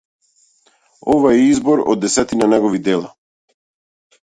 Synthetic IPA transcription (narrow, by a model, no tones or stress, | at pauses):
ɔvaɛizbɔɾɔ̰d̪ːɛsɛt̪inanɛɡɔvid̪ɛlˠa